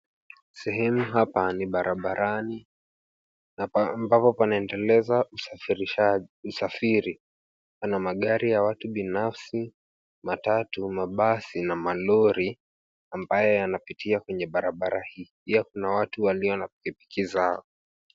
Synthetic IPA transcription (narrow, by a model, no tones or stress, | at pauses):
sɛɦɛmuɦapaniɓaɾaɓaɾani | mbapɔpanaɛndɛlɛzau | usafiɾi | panamaɠaɾijawatuɓinafsi | matatumaɓasinamalɔɾi | ambajɔjanapitʰiakwɛɲɛɓaɾaɓaɾahiːpiakunawatuwaliɔnap̚ikipi̥kizaɔ